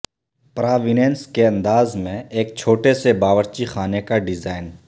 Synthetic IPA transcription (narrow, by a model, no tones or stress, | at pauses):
pɾaːʋiːɖenskeə̃nd̪aːzmẽeːk̚t͡ʃʰoːʈesebaːʋəɾt͡ʃixaːnekaɖɪzaːɪn